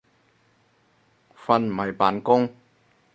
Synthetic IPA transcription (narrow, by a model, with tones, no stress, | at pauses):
fɐ˧n˨mɐ˨˩jpaː˨˥nkʊ˥ŋ